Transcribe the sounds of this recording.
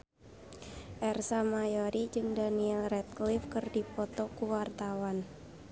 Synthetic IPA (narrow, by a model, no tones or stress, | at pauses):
ʔɛrsamajoɾid͡ʒɨŋdaniɛlrɛt̪̚klifkɨrdipɔt̪ɔkuwart̪awan